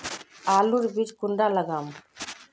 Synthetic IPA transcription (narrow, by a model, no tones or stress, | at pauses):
aːluɾbid͡ʒkuɳɖaːlɐɡaːm